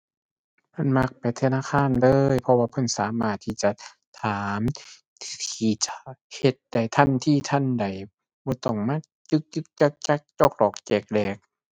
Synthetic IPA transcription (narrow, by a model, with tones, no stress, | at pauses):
mʰa˧˥˨nma˧k̚pa˨jt̪ʰa˧naː˧˨xʰaː˧˥˨nlɤː˧˨jpʰɔ˧waː˧pʰɤ˧˥˨nsaː˨˦maː˧˩t̪ʰːiː˧˥˩t͡ɕa˧˨ | t̪ʰaː˨˦mʰ | iː˧˩t͡ɕa˧he˧t̪̚da˧˩jt̪ʰa˧˥˨nt̪ʰiː˧˥˨t̪ʰa˧˥˨nda˨˩j | bɔː˧˦t̪ɔ˧˩ŋmaː˧˥˨ | t͡ɕɯ˧˦k̚t͡ɕɯ˧k̚t͡ɕa˧˩k̚t͡ɕa˧˩k̚t͡ɕo˧k̚lɔː˨˩k̚t͡ɕɛː˧˩k̚lɛː˧˩k̚